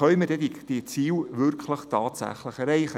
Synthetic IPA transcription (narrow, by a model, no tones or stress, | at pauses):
œɥmədɛdid̥it͡siːwʋʏɾkʰləχtʰɑːtsæ̰χləχɛɾɛɪχə